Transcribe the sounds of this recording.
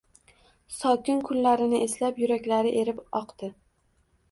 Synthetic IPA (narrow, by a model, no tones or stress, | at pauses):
sɒkʲɪnkʰʊnlaɾɪnɪʔe̞slapjʊɾakʲlaɾɪʔe̞ɾɪpɒqd̪̥ɪ